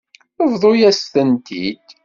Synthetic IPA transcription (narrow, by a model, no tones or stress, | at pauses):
əvðˤojæst̪ənt̪ḭd̪̥